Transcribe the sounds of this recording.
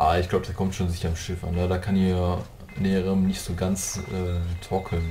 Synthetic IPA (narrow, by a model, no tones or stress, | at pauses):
ʔaːɪçɡ̥laʊbədaɐskʰɔmtʃoːnzɪçɐɪmʃɪfʔa̰nːədaːkʰani | lɛːəʁəmnɪçtz̥oːɡant͡sʔɛːtʰɔkʰl̩n